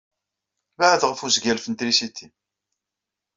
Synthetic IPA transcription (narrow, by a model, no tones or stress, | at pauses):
baʕðʁəfuzɡælfənt̪ɾisit̪ːi